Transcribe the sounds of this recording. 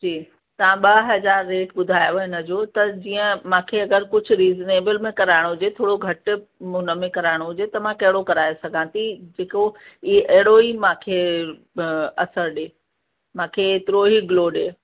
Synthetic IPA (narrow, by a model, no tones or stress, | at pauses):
d͡ʑiː | t̪ɐʋãɓɐɦɐzaːɾːeːʈɓʊd̪ʱaːjoɦɪnə̆d͡ʑoːt̪ɐd͡ʑiːə̃mãːkʰeɐɡəɾkʊd͡ʑʱɾiːzneːbəlmẽkɐɾaːɪɽ̃ɦʊd͡ʑet̪ʰoːɽoɡʱɐʈɦʊnə̆mẽkɐɾaːɪɽ̃oɦʊd͡ʑet̪ɐmãkɐɦɪɽokɐɾaːesɐɡʱãːt̪ʰid͡ʑeːkoiʔɐɦɪɽoimãːkʰe | ɐsəɾɗeː | mãːkʰet̪ɪɾoɦiɡloːɗeː